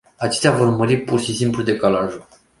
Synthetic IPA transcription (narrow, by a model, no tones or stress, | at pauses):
at͡ʃe̞st̪eavo̞rməɾipurʃisimplud̪e̞kalaʒu